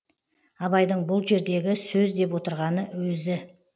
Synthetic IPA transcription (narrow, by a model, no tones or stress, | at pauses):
ɑβɑjd̪əɴbʊlˠʒe̞ɾd̪e̞ɡʲɪsɵzd̪e̞p̬wo̞t̪əɾʁɑnəwɵzɪ